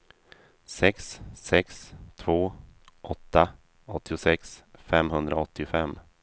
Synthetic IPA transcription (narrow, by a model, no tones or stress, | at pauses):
sɛksːɛkst̪ʰvoːʔɔt̪ːa | ɔt̪ːɪʊsɛksfɛmɦɵnd̪ɾaɔt̪ʰːɪfɛmː